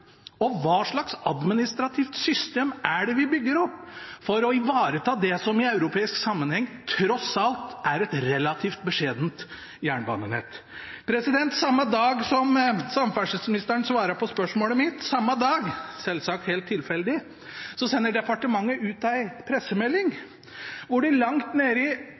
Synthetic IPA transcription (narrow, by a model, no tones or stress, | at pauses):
ɔʋɑːʂɭɑksɑd̪mɪnɪst̪ɾɑt̪ʰiːft̪sʏst̪eːmæɖɛʋɪbʏɡːəɾɔpːfɔɾɔɪʋɑːɾət̪ʰɑːd̪ɛsɔmɪɑʉɾʊpʰeːɪsksɑmːənhɛŋːt̪ʰɾɔsɑlt̪æɾɛt̪ɾɛlɑt̪ʰiːft̪̚bəʂeːd̪nt̪ | jæːɳbɑ̰nənhɛ̰t̪ | pʰɾɛsɪd̪ɛnt̪sɑmːɑd̪ɑːɡsɔmsɑmfæʂəsmɪnɪst̪əɳsʋɑːɾəpʰɔspœʂmoːləmɪt̪sɑmːɑd̪ɑːɡsɛlsɑk̚t̪heɪːlt̪ʰːɪlfɛld̪ɪ | sɔsɛnːəɖɛpɑʈəmɑŋːəʔʉːt̪æɪpʰɾɛsːəmɛlːɪŋ | ʋʊɖɪlɑŋt̪neːɾɪ